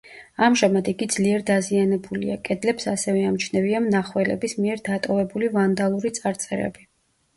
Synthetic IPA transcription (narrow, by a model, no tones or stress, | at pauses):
amʒamad̪iɡid̪z̥liɛɾd̪azianɛbulḭakʼɛd̪lɛpsasɛvɛamt͡ʃʰnɛviamnaχwɛlɛ̰bismiɛɾd̪at̪ʼɔvɛbulivand̪alˠuɾit̪sʼaɾt̪sʼɛɾɛ̰bi